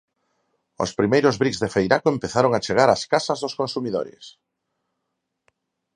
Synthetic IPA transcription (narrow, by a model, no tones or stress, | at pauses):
o̰spɾimejɾozβɾikzðefejɾakoempeθaɾoŋat͡ʃeɣ̞aɾaskasɐzðoskonsumiðo̰ɾɪ̰s